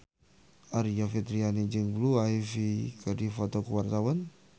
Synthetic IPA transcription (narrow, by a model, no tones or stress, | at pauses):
aɾiafit̪ɾianid͡ʒiŋbluaifikʰadifɔt̪ɔkuwart̪awan